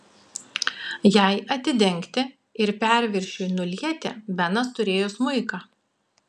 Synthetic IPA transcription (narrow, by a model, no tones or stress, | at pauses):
jɛˑɪʔɐt̪ʲɪd̪ʲɛŋʲkt̪ʲɪ | ɪɾpʲæˑɾʲʋʲɪɾʲʃʲuːnʊlʲiɛt̪ʲḛbʲɛnɐst̪ʊɾʲeːjʊsmʊɪkɑː